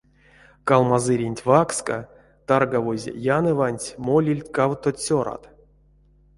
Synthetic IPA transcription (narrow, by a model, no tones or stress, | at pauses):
kalˠmazɨɾʲinʲtʲvakska̰ | t̪arɡavozʲḛjanɨvanʲtʲmolʲilʲtʲkawt̪otʲsʲoɾa̰t̪